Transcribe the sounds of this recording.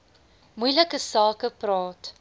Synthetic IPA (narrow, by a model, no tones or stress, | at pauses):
mujləkəsɑːkəprɑːt